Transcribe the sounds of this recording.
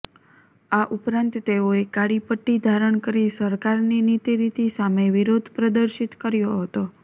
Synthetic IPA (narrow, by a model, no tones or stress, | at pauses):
aʔupɾãnt̪t̪eoekaɽipəʈːid̪ʱaɾəɳkəɾisəɾkaɾninit̪iɾit̪isameʋiɾod̪ʱpɾəd̪əɾʃit̪kəɾjoɦət̪o